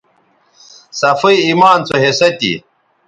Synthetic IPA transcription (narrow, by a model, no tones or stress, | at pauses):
sɐfɐiimaːnt͡sʰoɦesɐt̪ḭ